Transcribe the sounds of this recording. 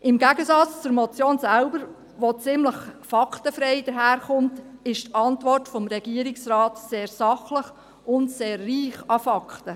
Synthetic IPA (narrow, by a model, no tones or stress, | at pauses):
ʔɪmɡæɡəsɑt͡st͡suɾmɔt͡sjoːnsælbəɾ | ʋot͡sɪmləχfɑktəfɾɛɪd̥̪əɾɦæːɾχʊmtɪʃtɑntʋɔrtfɔmɾɛɡ̥iəɾɪksrɑːtseːɾsɑχləχ | ʊntseːrːiːχɑfɑkχtə